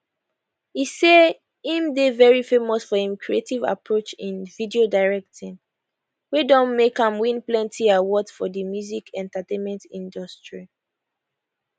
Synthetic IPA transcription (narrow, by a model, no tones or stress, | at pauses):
hise | ĩmdevɛɹifemɔsfɔhĩmkʰɹietiva̰pɹot͡ʃĩnvidiodaɹɛk̚tʰĩn | wedɔ̃nmekãmwĩnplɛ̃ntʰiawɔdfɔðəmjuzikʰɛ̃ntatẽnmɛ̃ntĩndɔstɹi